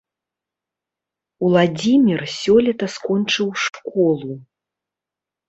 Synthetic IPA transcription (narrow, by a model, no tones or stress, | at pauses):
ulˠad͡zʲimʲirsʲɔlʲɛt̪ɐskɔnt͡ʂɨwʂkɔlˠu